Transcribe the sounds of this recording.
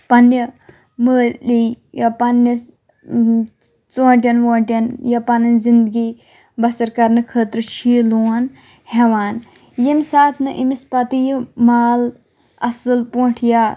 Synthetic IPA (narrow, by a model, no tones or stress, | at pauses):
pɐnːjə | məːli | jɐpɐnjɐ | t͡soːʈ̬ʲɐnʋoːʈʲɐnjɐpɐnɐnzind̪ɡi | bɐsɐɾkɐɾnɨkʰəːt̪ɾɨt͡ʃʰiːluːn | hɛʋaːn | jemʲsaːt̪ʰnɨʔimispɐt̪ijmaːl | ɐsɨlpuːʈʰjaː